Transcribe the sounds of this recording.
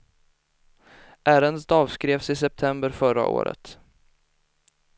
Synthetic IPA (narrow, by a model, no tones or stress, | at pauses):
ʔæːɾənd̪ət̪ɑːvskɾeːvsɪsɛp̚t̪ʰɛmbəɾfœɾa̰ʔo̰ːɾə̰t̪